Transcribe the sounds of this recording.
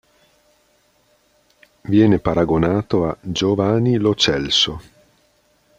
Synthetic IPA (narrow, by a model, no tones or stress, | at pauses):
vjɛːnepaɾaɡonaːt̪oad͡ʒovaːnilot͡ʃɛlso